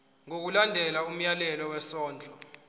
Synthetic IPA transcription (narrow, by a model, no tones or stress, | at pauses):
ŋok̬ulandʱɛlaum̩jalɛlɔwɛsɔːnd͡ɮʱɔ